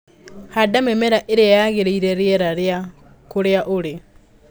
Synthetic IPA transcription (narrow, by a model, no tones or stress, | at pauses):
hadamemeɾaʔeɾeajaɣeɾeiɾeɾjɛɾaɾea | koɾeaʔoɾe